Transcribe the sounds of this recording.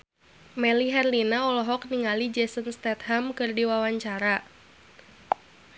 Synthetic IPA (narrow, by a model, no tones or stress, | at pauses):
mɛliɦɛrlinaɔlɔɦɔk̚niŋalid͡ʒɛsənst̪ɛt̪̚ɦamkɨrdiwawaɲt͡ʃaɾa